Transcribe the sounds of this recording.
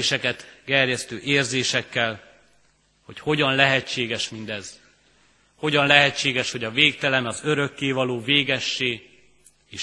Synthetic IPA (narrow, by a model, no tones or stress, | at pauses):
ʃɛkɛt̪kɛrjɛst̪øːʔeːrzeːʃɛkːɛl | ho̞cho̞ɟɒnlɛɦɛt͡ʃːeːɡɛʃmind̪ɛz̥ | ho̞ɟɒnlɛɦɛt͡ʃːeːɡɛʃho̞ɟɒveːk̚t̪ɛlɛmɒzø̞ɾø̞kːeːvɒloːveːɡɛʃːeːɡ | eːʃ